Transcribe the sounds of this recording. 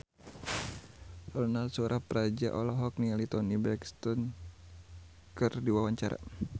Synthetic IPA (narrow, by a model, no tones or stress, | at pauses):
sɔlɔnalsuɾʔapəɾad͡ʒa̰ʔɔlɔɦɔk̚nialit̪ɔnibɛkst̪ɔn | kɨrdiwawaɲt͡ʃaɾa̰